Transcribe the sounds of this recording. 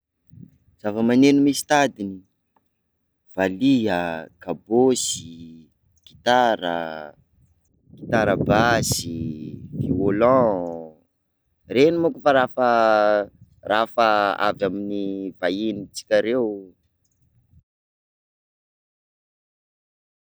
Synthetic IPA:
z̥avəmanenumisi̥t̪ad̪ini | v̥aliəkabosi | ɡ̥i̥t̪aɾə̰ | ɡ̥i̥t̪aɾəbasiviolɔ̃ | renimukufaɾafə | rafəa̰vaminivainit͡si̥kʲaɾew

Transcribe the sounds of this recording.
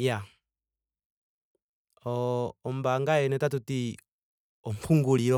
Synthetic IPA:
ja | ɔɔmbaŋɡaɛnɛtatuti | ɔmpʰuŋɡuliɾɔ

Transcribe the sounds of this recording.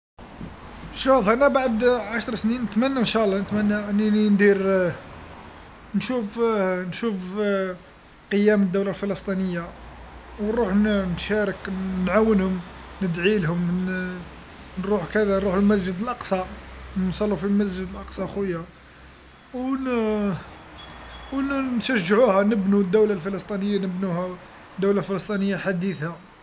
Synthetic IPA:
nʃɑlˤːɑʔænæbaʕd̪ʕaʃɾˤsninːət̪mænːænʃælːɑnət̪mænːæʔninind̪iɾ | nʃufnʃuf | qəjːæməd̪ːuwlalfələst̪ˤinəjːa | wnɾuħnnʃæɾˤəknʕawːənhʊm | nəd̪ʕilɦʊm | nɾuħkæd̪ænɾuħəlmæzd͡ʒəd̪əlʔɑqsˤɑnsˤɑlːufilmæzd͡ʒəd̪əlʔɑqsˤɑxwəjːa | w | wnnʃæʒːʕuhænəbnud̪ːuwlalfələsˤt̪ˤinəjːanəbnuhæ | d̪ːuwlalfələsˤt̪ˤinəjːaħad̪iθa

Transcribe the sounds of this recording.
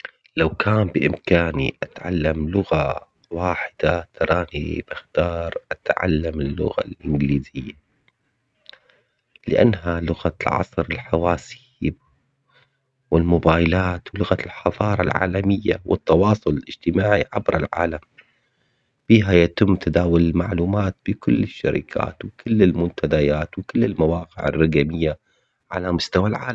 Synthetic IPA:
lawkʰaːmbɪʔɪmkaːnḭʔat̪ʕa̰lːamlʊɣa | waːħɪd̪̥at̪ɑɾˤɑːnḭbɪxt̪ɑːɾˤʔat̪ʕa̰lːamɪlːʊ̰ɣa̰lʔɪnɡliːzɪjːa | lɪʔa̰nːɦalʊɣalʕɑ̰sˤɾɪlħawaːsi | b | wɪlmʊbaːjlaːt̪wlʊɣalħɑðˤɑːɾˤɑlʕa̰ːlamɪjːa̰wʔɪ̰t̪ːɑwɑːsˤʊlɪlʔɪd͡ʒt̪ɪmaːʕiʕabɾɪlʕa̰ːlam | b̥iːɦajat̪ɪmːt̪ʰad̪aːwʊlɪlmaʕluːmaːt̪̚bɪkʊlːɪʃːa̰ɾɪ̰kʰa̰ːt̪wɪkʰʊɪlːɪlmʊnt̪ʰad̪ajaːt̪wkɪlːɪlmawɑːqɪʕɪ̰rˤːɑɡamɪjːa | ʕalamʊst̪awalʕaːla

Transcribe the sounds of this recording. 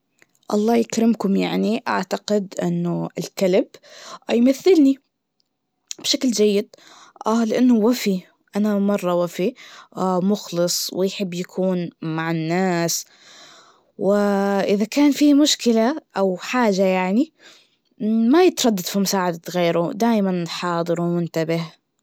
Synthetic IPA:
ʔɑ̰lˤːɑːjakɾɪmkʊmjaʕniʔa̰ʕt̪aqɪd̪ʔɪ̰nːʊɪlkalɪbjmaθːɪlni | b̥ʃakld͡ʒajːɪd̪̚ | ʔalɪʔanːʊwafi | ʔanamɑrˤːɑwafi | mʊxlɨsˤwɪjħɪbːjakʰuːnmaʕɪnːaːs | wɪʔɪðakaːnfiːmʊʃkɪlaʔawħaːʒajaʕni | majɪt̪ɾˤɑd̪ːad̪̥fimʊsaːʕad̪aɣeːɾʊd̪aːjmanħɑːd̪ˤɨɾwmʊnt̪abɪh

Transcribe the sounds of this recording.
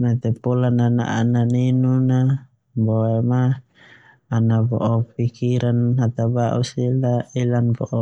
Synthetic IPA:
mat̪ɛpɔlanana̰ʔananinuna | bɔɛmaː | nabɔ̰ʔɔpikiɾanɦat̪abaʔusilailanbɔʔɔ

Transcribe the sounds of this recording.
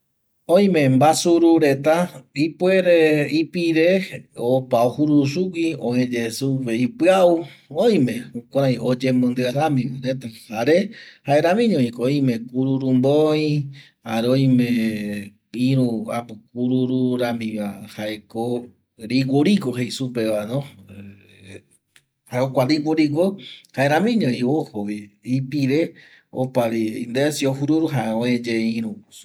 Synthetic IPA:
õj̃mẽmbasuɾuɾet̪aipweɾeipiɾeopaohuɾusukʷiõẽd͡ʒesupeipɨauõj̃mẽũkʷãɾ̃ãj̃od͡ʒemõnd̪ɨaɾamĩaɾet̪ahaɾehaeɾamĩɲõĩkooj̃mẽkuɾuɾumboĩ | haɾeoj̃mẽ | ĩɾũapuk̚uɾuɾuɾamĩʋahaeko | ɾiɡʷoɾiɡoɦejsupeβanõ | haeokʷaɾiɡʷoɾiɡʷohaeɾãmĩɲõĩohoβiipiɾe | o̰paɾiḭnd̪esioɦuɾuɾuɦaõed͡ʒeĩɾũ

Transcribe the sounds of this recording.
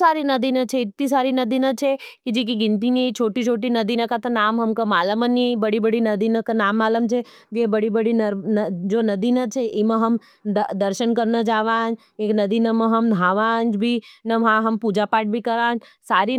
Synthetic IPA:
saːɾinɐd̪iːnãt͡ʃʰeɪt̪ːĩs̬aːɾinɐd̪iːnat͡ʃʰe | kid͡ʒik̬iɡɪ̃nt̪init͡ʃʰoːʈit͡ʃʰoːʈ̬inɐd̪iːnakat̪anaːmɦɐmkamaːləmənibɐɽibəɽinɐd̪iːnakanaːmːaːləmt͡ʃʰeʋebɐɽibəɽinɐɾnd͡ʒoːnɐd̪iːnat͡ʃʰeʔimɐ̃ɦɐm | d̪ɐɾʃənkɐɾnad͡ʒaːʋãːnd͡ʒ | eːknɐd̪iːnamɐ̃ɦɐmd̪ʱaːʋaːnd͡ʒbʱinɐʋɦãɦɐmpuːd͡ʒapaːʈ̚bʱikɐɾãːn | saːɾi

